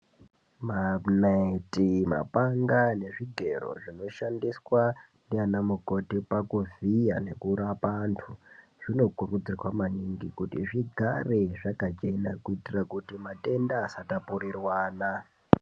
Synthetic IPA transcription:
manaitima̰paŋɡane̞ʐiɡʱe̞ro̞̰ʐino̞ʃandiswa | ndianamuko̞tipakuvija̰ne̞kuɾapantʰu | ʐ̥ino̞kurud͡zirwamaɲiŋɡikutiʐiɡʱareʐakat͡ʃe̞nakuitirakutimate̞ndaːsatapurirwaːna

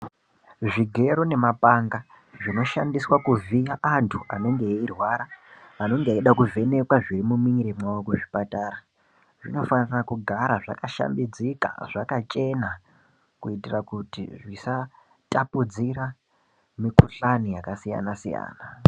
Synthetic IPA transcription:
ʐiɡʱe̞ɾone̞mapaŋɡa | ʐino̞ʃandiswakuviaʔantʰuʔano̞ŋɡeirwaɾaano̞ŋɡeiɗakuvʱe̞ne̞kwaʐirimumiɲiɾemwawokweʐipataːɾa | ʐḭno̞fanirakuɡʱaɾaʐa̰kaʃa̰mbid͡zika̰ʐ̥akat͡ʃʼe̞na | kuitirakutḭʐisa | tʼapud͡zira | mikuɬanijakasija̰nasija̰ːna

